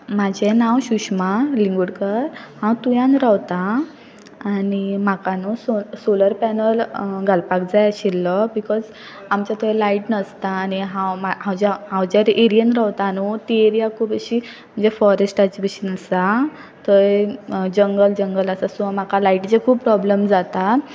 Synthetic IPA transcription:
mad͡ʑʱenãwɕuɕmaliŋɡuɽkəɾhãwt̪ujãnɾawt̪aː | nimakanusosoləɾpɛnəlɡʱalpak̚d͡zajɕilːɔbikɔd͡z | amt͡ɕat̪əjlaiʈnəst̪aːniɦãwmaɦãwd͡ʑaɦãwd͡ʑaɾeɾijənɾawt̪anut̪ieɾijakʰubeɕi | m̤ənd͡zefɔɾesʈat͡ɕʋeɕənasa | t̪əed͡ʑəŋɡəld͡ʑəŋɡələsasɔ̃am̤akalaiʈt͡sekʰuːppːɾɔbləmd͡zat̪a

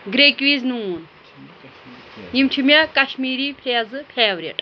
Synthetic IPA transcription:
ɡɾekʋiznuːn | jimtʰimʲjakɐʃmiːɾipʰeːɐzɨpʰeːʋɾʲɐ̰ʈʼ

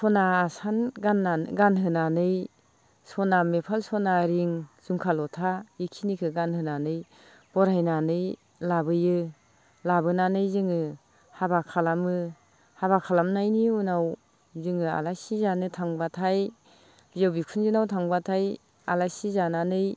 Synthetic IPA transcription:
sɔnaːsanɡanːaɡanɦɯnanɯj | sɔnamepʰalsɔnaɾiŋz̥uŋkʰalɔtʰaikʰinikʰɯɡanhɯnanɯj | b̥ɔɾajnanɯj | labɯjɯ | labɯnanɯjzɯŋɯ | habakʰalamɯ | haβakʰalamnajniunaw | zɯŋɯa̰lajsizanɯtʰaŋbatʰaj | bijawbikʰunzinawtʰaŋbatʰaj | alajsizananɯj

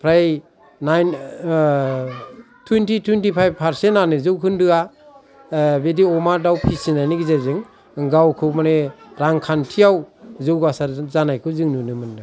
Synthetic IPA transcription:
pʰɾaj | najn | tʰwintitʰwintipʰajb̚pʰaɾsentanɯzɯwkʰɯndɯa | bediɔmaɾdawpʰisinajnɯɡizezɯŋ | ɡawkʰɯwmaneɾaŋkʰantʰijawzɯwɡasaɾzanajkʰɯwzɯŋnunɯmɯndɯ

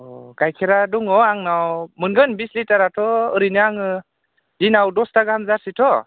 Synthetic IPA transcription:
ɡ̥ajkʰeɾaduŋɔaŋnawmɯnɡɯnbislitaɾatʰɔɯɾiniaŋɯ | dinawdɔstaɡhamzaɾsitʰɔ

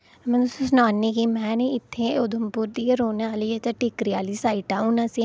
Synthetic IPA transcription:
mɛ̃ʊsũsnaːnːikiːmɛ̃ːneɪt̪ʰːeːod̪ʱəmpʊɾd̪iːeɾoːneaːliːet͡ʃaʈɪkɾiaːliːsaːiʈaːuːnãːsi

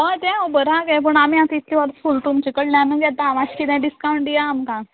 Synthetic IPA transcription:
ət̪ɛ̃obəɾaɡɛp̬əɳamiãt̪it̪liʋaɾfulʈumt͡ɕikəɽlãnəɡat̪ãʋãɕkit̪ãɖiskawɳʈijaːmkã

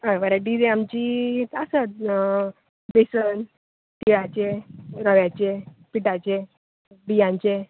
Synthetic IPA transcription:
əʋəɾaɖid͡zeamt͡ɕiasət̪̚ | besən | t̪iɭat͡ɕeɾəʋjat͡ɕepiʈat͡ɕe | bijãɲt͡ɕe

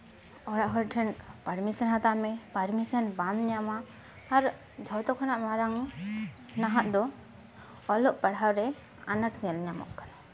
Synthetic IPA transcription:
ɔɽaʔɦɔjʈʰɛnpaɾmisənɦat̪amɛpaɾmisənbamɲamaː | ɾ | d͡ʒʱɔt̪ɔkʰɔnaʔmaɾaŋ | naɦaʔ̪d̪ɔ | ɔlɔʔpaɽawɾɛ | a̰nəʈɲɛlɲamɔ̰ʔkana

